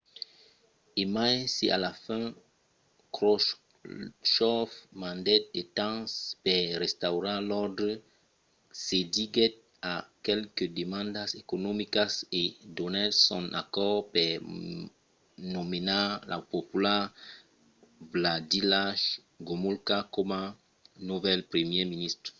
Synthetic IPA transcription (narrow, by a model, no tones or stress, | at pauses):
emajseʔalafɛ̃ | kɾɔʃ | ʃɔfmãnd̪ɛt̪̚et̪ãspɛɾɛst̪awɾãlɔʁd̪ɾə | sediɡɛt̪̚ | akɛlkəd̪əmãnd̪asekonomikasedɔnalsɔ̃na̰kɔʁpɛ | nomenalʔa̰popyla | vladilaʃ | ɡomulkakɔmã | nuvɛlpɾemjeminist̪ʁ